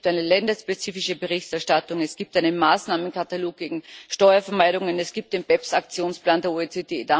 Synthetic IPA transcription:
iptʔaɪnəlɛndɐʃpet͡siːfɪʃəbeʁɪçtɛɐʃtatʊŋɛsɡ̥iːp̚tʔaɪnənmaːsnaːmənkataloːk̚ɡ̥eːɡŋ̩ʃtɔʏɐfɛɐmaɪɾʊŋənɛsɡ̥iːp̚t̚d̥eːnb̥ɛpsak̚t͡sjoːnsplaːndeːɐoet͡seːd̥eːd̥a

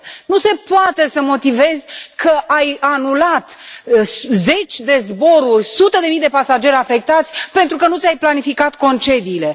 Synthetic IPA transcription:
nuse̞poat̪e̞səmo̞t̪ive̞zkʰəʔajanulat̪sze̞t͡ʃʲd̪e̞zbo̞ɾurʲsut̪əd̪e̞mijd̪e̞pasad͡ʒe̞ɾʲafe̞k̚t̪at̪sʲpe̞nt̪ɾukənut̪sʲajplanifikat̪ko̞nt͡ʃe̞d̪iːle̞

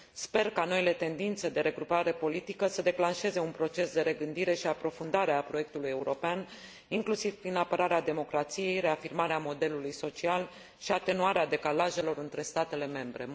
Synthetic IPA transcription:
spe̞rkano̞ile̞t̪e̞nd̪int̪se̞d̪e̞ɾe̞ɡɾupaɾe̞po̞lit̪ikəsəd̪e̞klanʃe̞ze̞unpɾo̞t͡ʃe̞sd̪e̞ɾe̞ɡɨnd̪iɾe̞ʃiapɾo̞fund̪aɾeapɾo̞je̞k̚t̪uluje̞uɾo̞pean | iŋklusiv̥pɾinapəɾaɾead̪e̞mo̞kɾat̪sije̞jɾe̞afirmaɾeamo̞d̪e̞lulujso̞t͡ʃial | ʃiat̪e̞nuaɾead̪e̞kalaʒe̞lo̞ɾɨnt̪ɾe̞st̪at̪e̞le̞me̞mbɾe̞

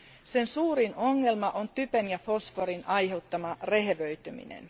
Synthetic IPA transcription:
sensuːrino̞ŋːe̞lmɑʔont̪ypønjɑfo̞sfoɾinʔɑjhe̞wt̪ːɑmɑreɦeʋøyt̪ymḭnḛn

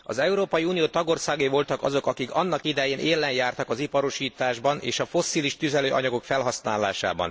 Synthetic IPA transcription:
ɒ̰zɛuɾoːpɒjiuːnijoːt̪ɒɡo̞rsaːɡejvo̞lt̪ɒkɒ̰zo̞kɒkikɒnːɒkid̪ɛjeːnʔeːlːɛnjaːrt̪ɒkɒzipɒɾoʃiːt̪aːʒbɒnʔḛːʃɒfo̞sːiːliʃt̪yzɛløːʔɒ̰ɲɒɡo̞kfɛlɦɒsnaːlːaːʃa̰ːbɒ̰n

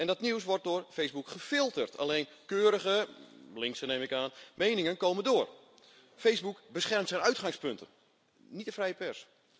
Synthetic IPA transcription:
ɛndɔtniws̬ʋɔrt̚dʊːrfejzbukχəfɪlˠtərtʰa̰lejnkøːɾəɣəlɪŋksəneːmɪkaːnmejnɪŋənkoːməndoːr | fejzbukbəsχɛrmtsɛjnœɥtχaŋspɵntʰə̰n | nitəfrɛjəpɛrs

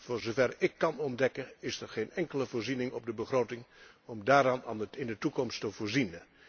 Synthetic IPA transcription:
vʊːɹzovɛrɪkːɑnɔndɛkənɪsɛɹχejnɛŋkələvʊːɹrzinɪŋɔp̚dəbəχroːtɪŋ | ɔmdaːɾaːnnɪndətukɔmstəvʊːɹzinə

